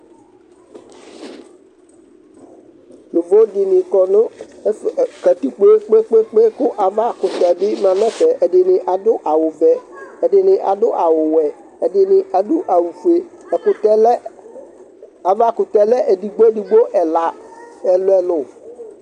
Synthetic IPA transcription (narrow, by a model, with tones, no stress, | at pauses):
lʊ˨vo˦dɪ˨nɪ̃˨kɔ˨nʊ˦˨ | ka˨t̪u˦k͡pe˦k͡pe˦k͡pe˦k͡pe˦kʊ˦ʔa˨va˦kʊ˨t̪ɛ˨bɪ˦mã˨nɛ˦fɛ˨ʔɛ˨dɪ˨nɪ̃˨ʔa˨dʊ˦ʔa˨wʊ˨vɛ˦ɛ˨dɪ˨nɪ̃˨ʔa˨dʊ˦ʔa˨wʊ˨wɛ˨ | ɛ˨dɪ˨nɪ˨ʔa˨dʊ˦ʔa˨wu˨fe˨kʊ˨˦ | a˨va˦˨kʊ˨tɛ˦lɛ˦ʔɛ˨di˨ɡ͡bo˦ɛ˦di˨ɡ͡bo˦ʔɛ˨la˨ɛ˨lʊ˦ɛ˨lʊ˨